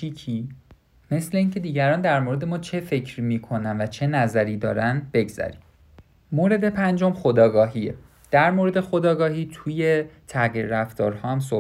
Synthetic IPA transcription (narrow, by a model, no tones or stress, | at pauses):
ikʰiː | me̞sle̞iːŋcʰe̞d̪iːɟæɾɒːnd̪æɾmoːɾe̞d̪e̞mɒːt͡ʃʰe̞fe̞cʰɾimiːkʰo̞nænvæt͡ʃʰe̞næzæɾiːd̪ɒ̰ːɾænb̥e̞ɡz̥æ̰ɾḭm | moːɾe̞d̪epʰænd͡ʒomxod̪ɒːɡɒːɦiḛ | d̪̥æɾmoɾe̞d̪e̞xo̞d̪ɒːɡɒːhiːt̪ʰuje̞t̪ʰæɣiːɾɾæft̪ɒːɾhɒːhæms̬o